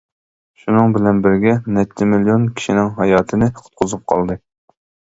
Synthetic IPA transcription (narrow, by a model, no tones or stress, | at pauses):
ʃunɨŋbɪlɛnbɪɾɡʲɛnɛt̪ʰːɛmilijonkʲʰi̥ʃinɪŋɦɑjɑːt̪ʰɨnɨqʰʊ̥t̪̚qʰʊzup̚qʰɑ̰lˠd̪ɨ